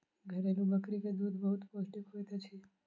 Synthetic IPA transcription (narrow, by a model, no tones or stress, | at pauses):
ɡʱəɾelũbəkɾiked̪ud̪bəɦut̪posʈikojt̪ʰət͡ʃʰi